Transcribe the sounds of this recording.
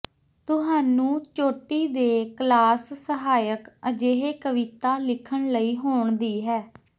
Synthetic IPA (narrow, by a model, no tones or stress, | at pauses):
t̪ʊɦaːnũːt͡ʃoːʈiːd̪eːklaːsːəɦaːjəkəd͡ʒeːɦeːkəʋit̪aːlɪkʰəɳləiːɦoːɳd̪iːɦɛː